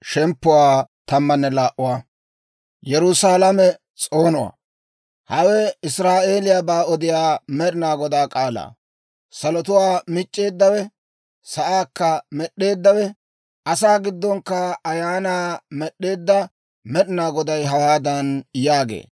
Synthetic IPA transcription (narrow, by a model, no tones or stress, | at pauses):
ʃɛmpːʊwaːt̪ɐmːɐnːɛlaːʔʊwaː | jɛɾʊsaːlɐmɛ | t͡sʼo̞ːnʊwa̰ː | hɐwɛɪsɾaːʔe̞ːlɪjabaːɔd̪ɪjaːmɛɗɪnaːɡɔd̪aːkʼaːla̰ː | sɐlɔt̪ʊwaːmɪt͡ʃʼːe̞ːd̪ːɐwɛ | sɐʔaːkːɐmɛɗːe̞ːd̪ːɐwɛ | ɐsaːɡɪd̪ːɔŋkːɐɐjaːnaːmɛɗːe̞ːd̪ːɐ | mɛɗɪnaːɡɔd̪ɐjɦɐwaːd̪ɐnjaːɡḛː